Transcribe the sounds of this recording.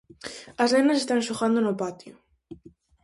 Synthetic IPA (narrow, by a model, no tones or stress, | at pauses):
ɐsnenɐs̬est̪ansoxand̪onʊpat̪jo